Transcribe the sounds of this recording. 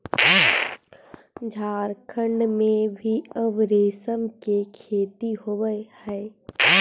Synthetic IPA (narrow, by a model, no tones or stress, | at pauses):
d͡ʒʱaːɾkʰə̃ɳɖmẽbʱiəʋɾeːsəmkekʰeːt̪iɦowəhɛː